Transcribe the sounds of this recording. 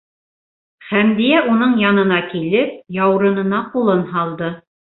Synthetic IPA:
χæmd̪ijæunɤɴjɑnɤ̆nɑkilɘp̚jɑwɾɤ̆nɤ̆nɑqulˠɤnhɑlˠd̪ɤ

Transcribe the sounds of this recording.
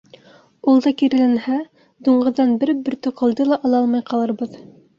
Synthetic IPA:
ulˠd̪ɑkiɾɘ̆lɘnhæ | d̪uɴʁɤ̆ðːɑnbɘɾbɵ̆ɾt̪ŏqɤ̆lˠd̪ɤlˠɑʔɑlˠɑlˠmɑjqɑlˠɤ̆ɾbɤð

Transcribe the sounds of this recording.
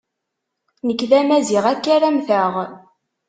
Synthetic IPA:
nəkːðæmæziʁækːæɾæmθəʁ

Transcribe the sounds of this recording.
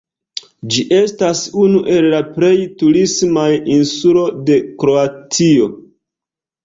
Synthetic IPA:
d͡ʒiʔe̞stasunuʔe̞lːapɾe̞jtuɾismajinsulo̞de̞kɾo̞atio̞

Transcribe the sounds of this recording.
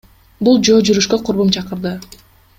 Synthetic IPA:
bulˠd͡ʒo̞ːd͡ʒyɾyʃkøqʰʊɾβumt͡ʃʰɑqɯɾd̪ɯ

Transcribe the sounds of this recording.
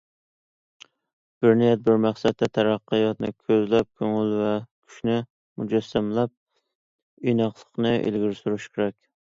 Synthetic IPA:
b̥ɪɾnijɛt̪̚bɪɾmæχsɛt̪ʰːɛt̪ʰæɾɑqːɨjɑt̪̚nɨ̰ɪ̰kʲʰøzlɛp̚kʲʰøŋɪlvɛkʲʰy̥ʃnɪ | mud͡ʒɛsːæmlɛp̚ | inɑχlˠə̥qnɨʔḛlɡʲiɾsuɾyʃkʲʰeɾɛkʲ

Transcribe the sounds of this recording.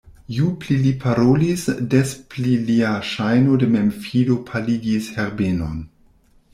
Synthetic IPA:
juplilipʰaɾolisdespliliaʃajnodememfidopʰaliɡisheɾbeno̰n

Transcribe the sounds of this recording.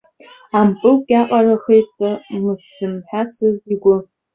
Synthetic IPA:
ampʼɨlkʲʼaqʼaraχejtʼmɨtʰsɨmħʷᶣat͡sʰɨziɡʷʊ

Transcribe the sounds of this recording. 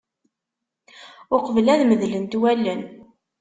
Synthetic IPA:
ʊqvəlæðməðlənt̪wælːən

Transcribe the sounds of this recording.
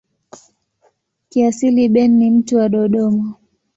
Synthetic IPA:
kiasiliɓɛnːim̩tuwaɗɔɗɔma

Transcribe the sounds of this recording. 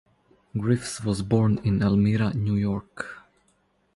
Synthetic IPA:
ɡɹɪfswɔzbɔɹnɪ̃nɛlmiɾanjujɔɹk

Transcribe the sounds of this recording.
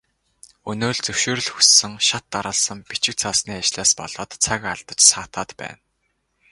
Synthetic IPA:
ɵnoːɮt͡sɵwʃoːɾɵ̆ɮxɵsːɘ̆ŋʃat̪ːaɾə̆ːɮsə̆mpit͡ɕɪ̆k̚t͡sʰasniːat͡ɕɮaːspɔ̰ɮ̥ɔːt̪t͡sʰakaɮt̪ə̆t͡ɕsaːt̪ʰaːt̪pæ̰ːn

